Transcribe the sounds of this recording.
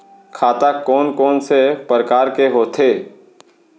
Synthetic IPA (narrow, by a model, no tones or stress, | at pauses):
kʰaːt̪akɔːnkɔːnsepəɾkaːɾkeɦoːt̪ʰeː